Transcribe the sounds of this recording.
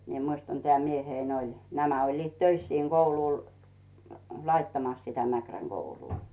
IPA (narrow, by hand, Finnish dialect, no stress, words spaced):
mie muistɑn tĕæˑ mieheĭn olʲ næmæ olʲliːt tøis siːŋ ɡ̊ouluˑl lɑitːɑmɑs sitæ mækræŋ ɡ̊ouluː